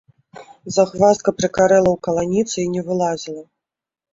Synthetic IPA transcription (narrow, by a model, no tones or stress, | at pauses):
zaxvast̪kɐpɾɨkaɾɛlˠɐwkɐlˠanʲit̪sɨinʲɛvɨlˠazʲilˠɐ